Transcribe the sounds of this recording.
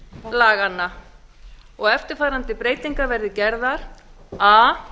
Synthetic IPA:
laːɣanːa | ɔɣɛft̪ɪɾ̥faːɾant̪ɪpɾeːjt̪iŋkaɾvɛɾðɪcɛɾðaɾ̥ | aː

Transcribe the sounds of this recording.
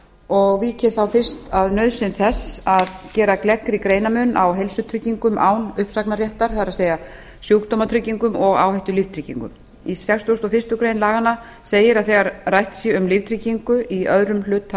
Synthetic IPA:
ɔɣviːcɪɾθawfɪr̥st̪aðnœɥðsɪnθɛsaðcɛːɾaklɛkɾɪkɾeːjnamʏnːʔa̰wɦelsʏt̪ʰɾʏcːiŋkʏmʔa̰ːwnʏhpsaknaɾjɛht̪aɾ̥θaðɾaðseːja | sjoːkt̪omat̪ʰɾʏcːiŋkʏmɔɣaːwhajht̪ʏlift̪ʰɾicːḭŋkʏ̰m | isɛkst̪ost̪ɔfɪst̪ʏkɾeːjnlaːɣanːa | seːjɪɾaðθɛɣaɾrajht̪sjɛʏmlivt̪ʰɾicːiŋkʏiœðɾʏml̥ʏːt̪

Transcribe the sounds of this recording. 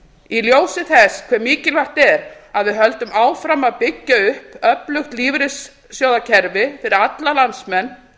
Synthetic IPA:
iljoːwsɪθɛskʰv̥ɛɾmiːcɪlvaht̪ɛɾaðvɪɦœlt̪ʏmaːwfɾamaðpɪcːaʏhpœplʏxt̪liːvɾɪsː | joːwðacʰɛɾvɪfɪɾɪɾat̪lalant̪smɛnː

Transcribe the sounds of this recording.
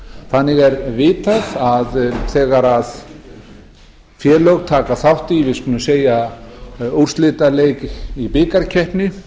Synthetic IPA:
θanːɪɣɛɾvɪːt̪aðaðθɛːɣaɾað | fjɛːlœɣt̪ʰaːkaθawht̪ivɪðskunɪmseːja | ur̥st̪lɪt̪aleːjkipɪːkaɾcʰɛhpnɪ

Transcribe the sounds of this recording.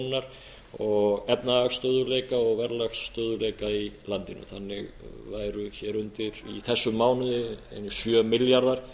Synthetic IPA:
naɾ̥ | ɔɣɛpnaaxst̪œːðʏlejkaɔɣvɛɾlaxst̪œːðʏlejkailant̪ɪnʏ̰θanːɪɣ | vaːjɾʏçɛːɾʏnt̪ɪɾ̥iθɛsːʏmːaːwnʏðɛ̰nːsjœːmɪljaɾðaɾ̥

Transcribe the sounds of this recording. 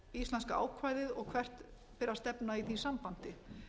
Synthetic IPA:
ist̪lɛnskaa̰ːwkʰvaːjðɪðɔɣkʰvɛr̥t̪ | pɪɾast̪ɛpnaiθisampan̥t̪ɪ

